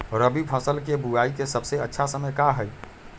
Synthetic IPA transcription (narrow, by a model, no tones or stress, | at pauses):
ɔɾəbʱipʰəsəlkebuaikesəbseətːʃʰasəməjkaɦəj